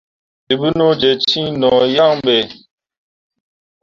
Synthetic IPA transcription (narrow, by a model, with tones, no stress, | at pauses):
di˨bɨ˦no˦d͡ʒe˨t͡ʃĩ˦nɔ˨ja˦ŋbe˨